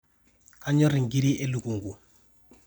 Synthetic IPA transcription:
ka˦ɲɔ˦ɾi˨ŋɡi˦ɾi˦ʔɛ˦lu˨ku˨ŋɡu˨

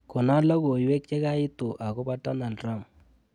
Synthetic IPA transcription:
kɔ˨na˦lɔ˦ɡo˨jwɛ˦k̚t͡ʃɛ˦ka˦ɪ˦tʊ˨ʔa˨kɔ˦ba˦ta˦na˨lɾa˦˨m

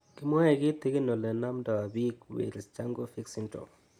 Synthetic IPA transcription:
kɪ˦mɔ˦ɛ˨ɡɪ˦t̪i˦ki˦no˨lɛ˨na˦mda˨wa˨bi˦kwḛ˨ɾi˨st͡ʃa˦ŋɡo˦fi˦ksi˦ntɔ̰˨

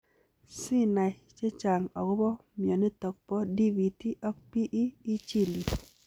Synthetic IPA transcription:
si˦na˨ | t͡ʃe˦t͡ʃa˨ŋɔ˨ɡʊ˦bɔ˦mjɔ˨ni˦tɔ˨k̚pɔ˦di˦vi˨ti˦ʔɔ˦k̚pi˦ʔiː˦t͡ʃi˦˨li˨

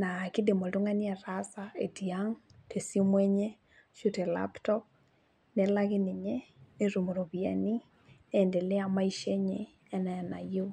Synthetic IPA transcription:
na˨kɪ˦de˨mo˨to˦ŋa˦ni˦ɛ˨ɾasa˨e˨ti˨a˦ŋ | tʰe˨si˦mwe˦ɲe˦ | ʃu˦tɛ˨la̰˦ptɔ˦p̚ | nɛ˨la˦ɣɪ˦nɪ˨ɲe˦ne˦ɾo˨mo˨ɾo˨βi˨a̰˨ni˦ | e˨nde˨le˦a˨ma˦i˦ʃe˦ɲe˨ | ɛ˦nɛ˨na˨jo˦

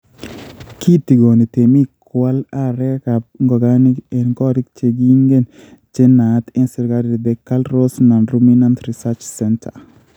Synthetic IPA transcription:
kʰi˦ti˨ɡo˨ni˨t̪e˨mi˦kwa˦la˦ɾɛ˦ka˨b̚ŋɡɔ˨ɡa˦nike˨nɡɔ˦ɾikt͡ʃe˨ɡi˦ŋɡe˦n | t͡ʃe˦na˨t̪ɛ˦nsi˨ɾɡaɾd̪ɛ˨kalɾo˦sna˨nɾumina˦ntɾi˨sa˦t͡ʃsɛntʰa̰˨

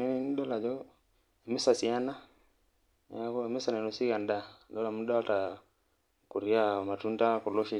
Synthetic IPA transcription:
ni˦ni˦nɗɔ˦la˨d͡ʒɔ˦ | ɛ˨mɛ˦sa˨si˨a˦na˦ | a˦kɔ˦ɛ˨mɛ˦sa˨nɛ˨nɔ˨si˦ɣa˨ndandɔ˦la˨muɗa˦wa˦ta | ku˨ɾia˦ma˨tunda˦kɔ˨lɔʃi

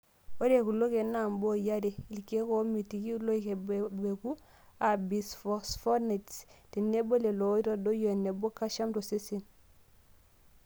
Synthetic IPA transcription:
o˦ɾe˨ku˨lo˦ke˨na˨mbo˦ja˦de˨i˨lke˦ko˦mi˨ti˨ki˦u˦lo˦ike˨bebe˨ku˦ | a˨bi˨sfo˨sfo˦ne˨tsti˨ne˦bo˦le˨lo˨˦i˦ɾo˦do˦jo˦˨ne˨bo˦kːa˦ʃa˦mto˨se˦si˨n

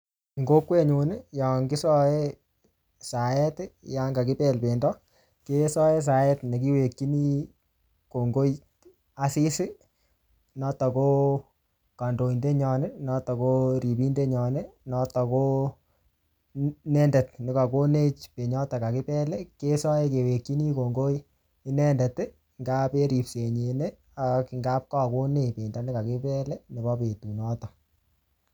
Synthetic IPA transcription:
ŋɡo˦kwe˦ɲu˨nɪ˦ja˨ŋɡɪ˦sɔ˦e˦ | sa˨ɛ˦tja˦ŋɡa˨kɪ˦pɛ˦lpe˨ndɔ˦ | ke˦sɔ˦e˦s̬a˨jɛ˦tne˨ki˦we˨kːi˦ni˦ | ko˨ŋɡo˦j | a˨si˦sɪ˦ | nɔ˦tɔ˨ko˦ | ka˨ndo˨i˨nde˦ɲɔ˨nɪ˦nɔ˦tɔ˨ko˦ɾi˨pi˦nde˦ɲɔ˨nɛ˦nɔ˦tɔ˨ko˦ | nɛ˦ndɛ˨t̚nɪ˨˦ka˨ko˦ne˦t͡ʃpe˨ɲɔ˦ta˨ka˨kɪ˦pɛ˦le˦ke˦sɔ˦e˦ke˨we˨kːi˦ni˦ko˨ŋɡo˦i˦ | i˦nɛ˦ndɛ˨te˦ | ŋɡa˦pe˦ɾi˨pse˨ɲe˨ne˦ | a˨ki˨ŋɡa˦p̚kɔ˦ko˦ne˦pe˨nda˨nɪ˦ka˨kɪ˦pɛ˦lɛ˦ne˨bɔ˦pe˨tu˨nɔ˦tɔ˨

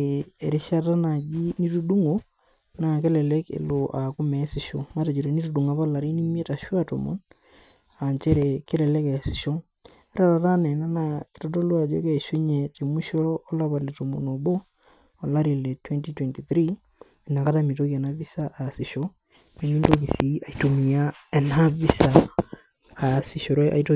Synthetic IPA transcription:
e˨ɾe˦ʃa˦ta˦na˨d͡ʒi˦ni˦tu˦du˦ŋo˨ | na˨ke˦lɛ˨lɛ˦kḛ˨lo˨ʔa˨ku˦mɛ˨˦si˨ʃo˨ma˦te˨d͡ʒo˨ɾe˨ni˦tu˨du˨ŋa˨pa˦la˨ɾi˦ni˦m˦ɛ˦ta˨ʃwa˦to̰˨mo̰˨n | a˨nt͡ʃɛ˦ɾɛ˨ke˦lɛ˨lɛ˦kɛ˨si̥˨ʃo˦ŋ | ɛ˦ɾa˦˨ɾa˨ta˦nɛ˨na˦na˦˨ke̥˨tɔ˦do˦lwa˨d͡ʒo̰˦kɛ˦˨ʃo˦ɲɛ˨te˨mu˦ʃo˦ɾɔː˦la˦βa˨le˨to˨mo̰˨no˨boː˦˨ | la˦ɾi˨le˨twɛ˦ntitwɛ˨nti˨θɾi˦˨ | na˨ka˦ta˦mi˨to˦ka˨na˦βi˦sa˦ʔːsi˨ʃo˦ | ne˦mi˦ndo˦k̬i˨si˨˦a˨i˦to˨mi˨a˦ | ɛ˨na˦vi˦saː˨ | si˨ʃo˨ɾo˦ʔa̰˨ito˦

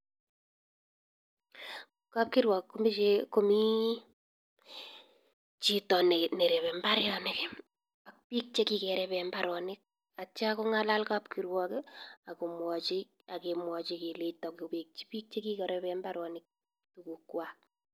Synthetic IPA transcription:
ka˦p̚kɪ˦ɾwɔ˨kkːo˦mi˦t͡ʃe˦ko˦mi˦ | t͡ʃitɔ˨nene˨ɾɛ˨βɛ˨mbaɾjɔnɪ˦k | ak̚pi˦k̚t͡ʃe˦ki˦kɛɾɛpɛmbaɾɔnɪ˦k̚ | a˨t͡ʃa˦ko˦ŋala˦lkapkiɾwɔka˨ko˨mwɔ˨t͡ʃɪ | a˨ke˨mwɔ˨t͡ʃiki˨letɔ˨kope˨k̚t͡ʃi̥˦pi˦k̚t͡ʃe˦ki˦kɛ˨ɾɛpɛmbaɾɔ˨nɪ˦k̚ | tuku˨kwak̚

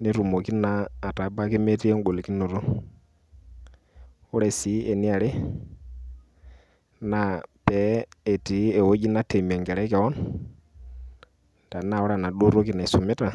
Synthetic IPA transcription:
ni˦ɾu˨mo˨ki˦naː˦˨ta˨˦ba˦ki˦mɛ˦ti˦ɛ˦ŋɡo˨li˨ki˦no˨ɾu˦ | u˦ɾɛ˨si˨˦ʔɛ˨ni˦a˨ɾɪ˦ | na˦pɛ˨˦ɛ˨ti˨˦ɛ˨wo˦ɟi˦na˦tɛ˨mi˨a˨ŋɡɛ˨ɾɛ˦kɛ˨wɔ˦n | n˨da˨na˦˨ɔ˦ɾa˦˨na˨ɗu˦ɾo˦ki˦na˨i˨su˨mɛ˦ta˨

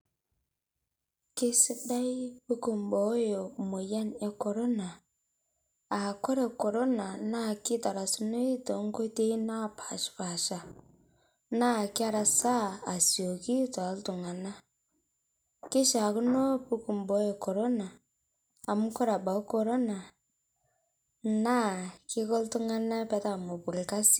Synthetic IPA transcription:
ki˦si˦da˦i˦βu˦ku˨mbo˨˦jo˨mo˨ja˦nja˦ko˨ɾo˦na˨ | a˨ko˦ɾe˨ko˨ɾo˦na˨na˦˨ki˦ta˨ɾa˨su˦no˦i˦to˨˦ŋ˦ɡo˦te˦i˦na˦pʰa˨ʃi̥˨pa˨ʃa˨ | na˦˨ki˦a˦ɾa˨saː˦˨sjo˨ki˦to˨˦ltu˨ŋa˨na˦ | ki˦ʃa˨ku˦no˦pu˦ku˨mbo˦je˨ko˨ɾo˦naː˨ | mu˦ko˦ɾa˨ba˨u˦ko˨ɾo˦na˨ | na˦ki˦ko˦ltu˦ŋa˦na˦pe˦ta˦˨mo˨βu˨i˨ka˦si̥˦

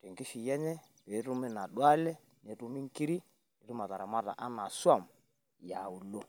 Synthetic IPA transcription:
te˨ŋkɪ˦ʃi˨jɛ˦ɲɛ˦ | pe˨˦ɾu˦mi˦na˨ɗwa˦lɛ˦ | ne˨˦tu˦mi˦ŋ˦ki˦ɾi˦ | ni˨ɾu˦ma˨ta˨ɾa˨ma˦ta̰˨ʔa˦na˨swa˦˨m | ja˨u˨lo˦

